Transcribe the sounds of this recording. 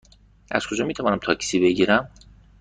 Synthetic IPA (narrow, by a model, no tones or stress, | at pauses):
ʔæ̰z̥kʰo̞d͡ʒɒːmiːt̪ʰævɒːnæmt̪ʰɒːcʰsiːbe̞ɟiːɾæm